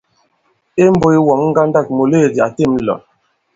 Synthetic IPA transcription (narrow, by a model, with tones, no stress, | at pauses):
e˦m̩˦bo˦i˦wɔ˨˦ŋ̩˦ɡa˦n˦da˦˨k̚mo˨le˦˨di˨a˨te˦˨m˦lɔ̰˨